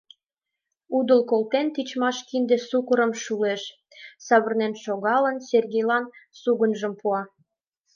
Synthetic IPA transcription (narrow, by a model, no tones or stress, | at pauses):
ud̪ə̆lkolt̪ent̪it͡ɕmɑʃkind̪esukəɾəmʃuleʃ | sɑβə̆rnenʃoɣɑlənserɣʲejlɑnsuɣənʒəmpuɑ